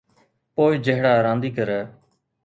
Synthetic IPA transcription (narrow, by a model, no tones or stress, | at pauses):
poːɪːd͡ʒəɦɽaːɾãːnd̪iːkəɾɛː